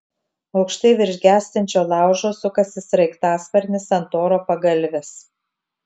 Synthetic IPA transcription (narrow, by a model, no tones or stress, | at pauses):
ɐʊkʃt̪ɐɪʋʲɪɾʲʒʲɡʲæːsʲt̪ʲɛnʲt͡ʃʲoːlˠɑˑʊʒoːsʊkɐsʲɪsɾɐɪkt̪ɑːspʲɐɾʲnʲɪsɐnt̪oːɾoːpɐɡɐlʲˑʋʲɛs